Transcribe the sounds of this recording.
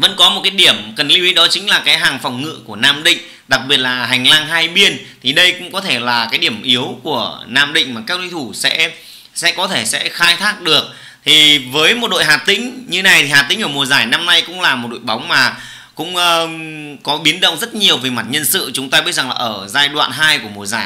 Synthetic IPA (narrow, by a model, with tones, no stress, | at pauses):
və̰˧˥nkɔ˨˦mo˨˩t̚kaː˨˦jɗi˧˩əmkə˨˩nli˧wi˨˧˥ɗɔ˨˦t͡ɕï̟˨˦laː˨˩kaː˨˦jɦaː˨˩ŋfa˨˩wŋ͡mŋɨ̰˧˨ku˧˩ənaː˧mɗḭ̈˧˨ŋ̟ | ɗa˨˩k̚ɓi˨˩ət̚laː˨˩ɦa˨˩jŋ̟laː˧ŋɦaː˧jɓi˧ənt̪ʰi˨˩ɗə˧jkʊ̰˧˥ŋ͡mkɔ˨˦t̪ʰe˧˩laː˨˩kaː˨˦jɗi˧˩əmʔi˨˦əwku˧˩ənaː˧mɗḭ̈˧˨ŋmaː˨˩kaː˦˥k̚lwi˧t̪ʰu˧˩sɛ̰˧˥ | sɛ̰˧˥kɔ˨˦t̪ʰe˧˩sɛ̰˧˥xaː˧jt̪ʰaː˦˥k̚ɗɨ˨˩ək̚ | t̪ʰi˨˩vəː˨˦jmo˨˩t̚ɗo̰˧˨jɦaː˨˩p̚t̪ï˧˥ŋ̟ɲɨ˧na˨˩jt̪ʰi˨˩haː˨˩t̪ï˧˥ŋʔəː˧˩mu˨˩əzaː˧˩jna˧mna˧jkʊ̰˧˥ŋ͡mlaː˨˩mo˨˩t̚ɗo̰˧˨jɓa˨˦wŋ͡mmaː˨˩ | kʊ̰˧˥ŋ͡mʔəː˧ | kɔ˨˦ɓi˨˦ənɗə̰˧˨wŋ͡mzə˦˥t̚ɲi˨˩əwve˨˩ma˨˩t̚ɲə˧nsɨ̰˧˨t͡ɕʊ˨˦ŋ͡mt̪aː˧ɓi˦˥t̚za˨˩ŋlaː˨˩ʔəː˧˩zaː˧jɗwa̰ː˧˨nɦaː˧jku˧˩əmu˨˩əza̰ː˧˩j